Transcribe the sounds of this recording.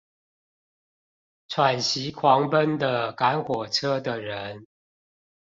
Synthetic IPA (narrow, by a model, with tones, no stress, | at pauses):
t͡sʰwa˨˩nɕi˨˦kʰwɑ˨˦ŋpə˦nd̪ə˨ka˨˦nxwɔ˨˩ʈ͡ʂʰɤ˦d̪ə˨ɻə˨˦n